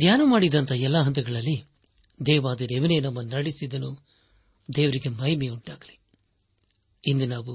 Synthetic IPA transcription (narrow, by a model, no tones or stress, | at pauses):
d̪jaːnɐmaːɽid̪ɐnt̪ʰɐɛlːaɦɐnt̪ɐɡɐɭɐlːi | d̪ɛːʋaːd̪ɐɾeʋɐneːnɐmːɐnɐɽisid̪ɐnu | d̪ɛːʋɐɾiɡe̞mɐjmeuɳʈaːɡɐli | ind̪unaːʋu